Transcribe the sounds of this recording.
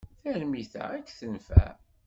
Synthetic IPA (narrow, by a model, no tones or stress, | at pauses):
θælmiθæ̰ækːθənfæ̰